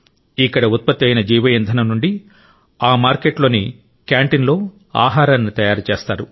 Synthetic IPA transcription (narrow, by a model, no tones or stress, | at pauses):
ikːɐɽɐut̪̚pɐt̪ːɐjnɐd͡ʒiːʋɐjɐnd̪ʱɐnɐmnuɳɖi | aːmaːɾkeʈlo̞ːni | kjaːɳʈinlo̞ː | a̰ːɦaːɾaːnːit̪ɐjaːɾut͡ʃe̞ːst̪aːɾu